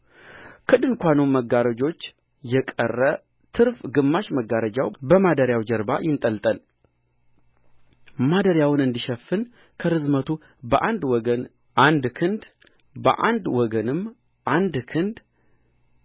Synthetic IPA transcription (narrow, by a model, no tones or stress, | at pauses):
kʰɨd̪ɨnkʷanumːəɡːaɾəd͡ʒo̞t͡ʃː | jɛkʼə̰rːə | t̪ʰɨɾfɡɨmːaʃməɡːaɾəd͡ʒawbəmad̪əɾjawd͡ʒəɾbajɪnt̪ʼəlt̪ʼəl | mad̪əɾjawnɨnd̪iʃɛfːɨn | kʰəɾɨzmət̪ʰu | bəʔand̪wɔɡən | ʔand̪kʰɨnd̪ | bə̰ʔa̰nd̪wɔɡənɨm | ʔand̪kʰɨnd̪